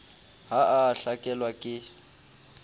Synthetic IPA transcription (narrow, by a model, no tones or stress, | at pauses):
ɦaʔaɬakʼɛlwakʼɪ